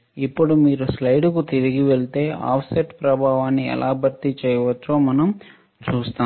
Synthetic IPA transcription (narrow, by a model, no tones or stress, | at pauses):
ipːuɽumiːɾuslɐjɖukut̪iɾiɡiʋeɭit̪e̞ːʔa̰ːpʰseʈpɾɐbʱaːʋaːnːiɛ̰lʔaːbʱɐɾt̪it͡ʃɛːjɐʋɐt͡ʃːoːmɐnɐm | t͡ʃuːst̪aː